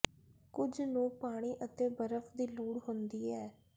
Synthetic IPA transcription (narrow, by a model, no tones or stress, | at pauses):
kʊd͡ʒnũːpaːɽ̃iːʔət̪eːbəɾəfd̪iːluːɽɦʊnd̪iːɛː